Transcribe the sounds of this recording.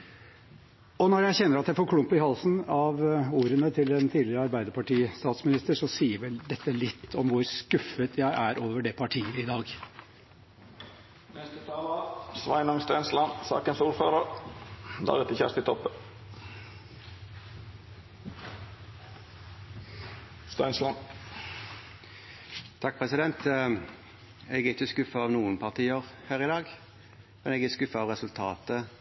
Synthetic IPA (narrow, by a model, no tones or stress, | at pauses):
ɔnɔɾjæɪçɛnːəɾɑt̪jæɪfoːɾkʰlʊmpɪhɑlsnɑʋuːɾənət̪ʰɪlɛnt̪ʰiːdlɪɾəɑɾbæɪd̪əpɑʈiːst̪ɑːt̪smɪnɪst̪əʂɔsiːəʋɛld̪ɛt̪ːəlɪt̪ʰːɔmʋʊɾskʉfət̪ʰjæɪʔæɾʔoːʋəɖɛpʰɑʈʰiːəɪd̪ɑːɡ | nɛst̪ət̪ʰɑːləsʋæ̰ɪnɔŋst̪ɛnslɑnsɑ̰ːkənsuːɾføːɾəʁ | d̪ɑ̰ːʁɛt̪əçæ̰ʁst̪ɪt̪ʰɔpːə | st̪æɪnslɑn | t̪ʰɑk̚pʰʁɛsɪd̪ɛnt̪ | ɛɡæʁɪçəskʉfəɑːʋnuːənpʰɑʁt̪ʰiːəʁhæːʁɪd̪ɑːɡ | mɛnɛːɡæskʉfəɑːʋʁɛsʉlt̪ʰɑːt̪ə